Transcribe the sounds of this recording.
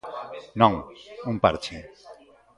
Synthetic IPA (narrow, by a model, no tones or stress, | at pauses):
nɔŋumpaɾt͡ɕʰi